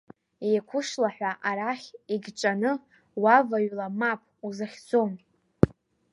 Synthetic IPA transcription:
ejkʷʰʊʂlaħᶣʷaʔaɾaχʲiɡʲt͡ʃʼanɨ | wavaɥlamapʰʼuzaχʲd͡zo̞m

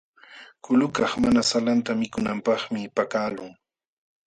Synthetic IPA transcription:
kʊlʊkɑχmanasalant̪amɪkʊnampɑχmɪpakaːlʊŋ

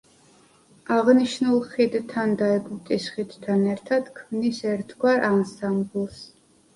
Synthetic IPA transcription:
aʁniʃnulˠχid̪t̪ʰand̪aɛɡut̪ʼisχid̪̥t̪ʰanɛɾt̪ʰad̪̥kʰmnisɛɾt̪ʰɡwaɾʔansamblˠs

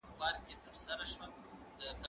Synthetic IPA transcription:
bɑɾkʲet̪əɾsaɾaʃwa | d̪əka

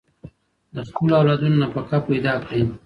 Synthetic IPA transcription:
d̪əskulawlɑd̪unonapəkapajd̪ɑkɽe

